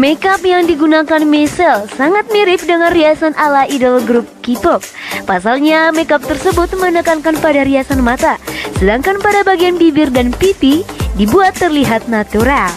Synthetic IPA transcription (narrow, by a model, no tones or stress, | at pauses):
mɛkapjaŋdiɡunakanmɛsɛlsaŋat̪̚miɾɪp̚dəŋanriasanʔalaidəlɡɾup̚kit̪ɔp̚pːasalɲamekap̚t̪ərsəbʊt̪̚məənəkankanpadaɾiasanmat̪asədaŋkanpadabaɡianbibɪrdanpit̪idibuat̪ːərliɦat̪̚nat̪uɾal